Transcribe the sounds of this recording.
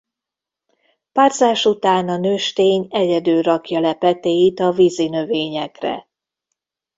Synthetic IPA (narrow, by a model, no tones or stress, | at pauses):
paːrzaːʃut̪aːnɒnøːʃt̪eːɲɛɟɛd̪øːɾɒkjɒlɛpɛt̪eːjit̪ɒvizinø̞veːɲɛkrɛ̰